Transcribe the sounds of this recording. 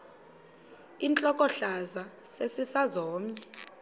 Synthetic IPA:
int͡ɬʼɔkʼɔɬazasesisazɔːmɛ

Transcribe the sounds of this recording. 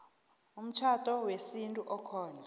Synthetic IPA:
um̩t͡ʃʰatʼɔwesintʼuʔɔkʰɔːna

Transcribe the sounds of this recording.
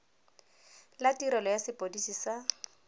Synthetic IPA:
latiɾɛlɔjasɪpʼodisisa

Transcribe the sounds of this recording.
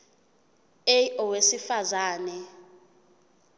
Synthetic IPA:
ejɔwesifazaːnɛ

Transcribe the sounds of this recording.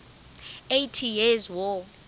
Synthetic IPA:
ejtʰijɛzwɔ

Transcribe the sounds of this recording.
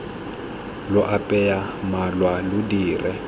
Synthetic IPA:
lʊʔapʼɛjamalwalʊdiːrɛ

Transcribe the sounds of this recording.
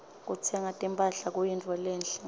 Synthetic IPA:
k̬ʼut͡sʰɛŋatʼimpʼaɬak̬ʼujint͡fʰʼɔlɛːnɬɛ

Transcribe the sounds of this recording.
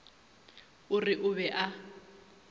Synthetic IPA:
ʊrɪʔʊβɛʔa

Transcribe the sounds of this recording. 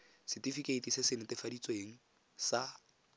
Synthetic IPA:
sɪtifikʼeitʼisɪsɪnɪtɪfadit͡sʼweːŋ̩ | sa

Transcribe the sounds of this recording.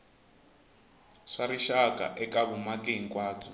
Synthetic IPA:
ʂaɾiʃakʼa̰ʔɛkaβumakʼeŋ̩kʼwaːt͡sʰɔ̥

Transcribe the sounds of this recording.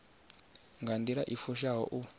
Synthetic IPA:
ŋɡand̪iɺaʔifuʃaɦɔ̰ʔu

